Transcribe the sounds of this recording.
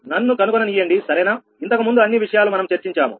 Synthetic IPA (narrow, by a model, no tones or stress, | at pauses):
nɐnːukɐnukonɐnijːɐɳɖisɐɾɐjnaː | int̪ɐkɐmund̪uɐnːiʋiʂɐjaːlumɐnɐmt͡ʃɐɾt͡ʃiɲt͡ʃaːmṵ